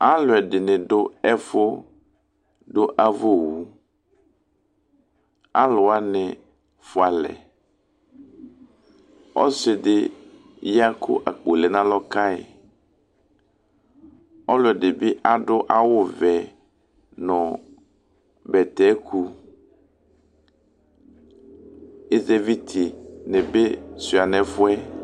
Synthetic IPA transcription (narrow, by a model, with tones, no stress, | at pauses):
a˦lʊ˨ɛ˨dɪ˨nɪ̃˨ɖʊ˦ɛ˦fʊ˦ | ɖʊ˦ʔa˦vo˦wu˦ | a˦lʊ˨a˦nɪ˨ | fʊ˨a˨lɛ̰˨ | ɔ̰˦sɪ˨dɪ˦ | ja˦kʰʊ̰˦ʔa˨k͡po˨lɛ˨nã˦lɔ˦ka˦ɪ̰˨ | ɔ˦lʊ˦ɛ˨dɪ˨bɪ˦ʔa˦ɖʊ˦ʔa˦wʊ˦vɛ˨ | nɔ̃˨ | bɛ˨t̪ɛ˦kʰu˦ | e˦ze˦vi˦t̪ʰi˨nɛ̃˨be˦si˨a˨nɛ̃˨fʊ˦ɛ˦